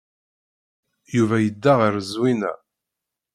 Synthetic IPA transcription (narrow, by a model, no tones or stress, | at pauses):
juvæjəd̪ːaʁəɾəzwinæ̰